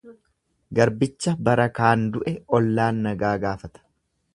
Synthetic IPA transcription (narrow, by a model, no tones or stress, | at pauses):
ɡɐɾbɪt͡ʃːɐbɐɾɐkaːnd̪ʊʔɛɔlːaːnːɐɡaːɡaːfɐt̪ɐ̥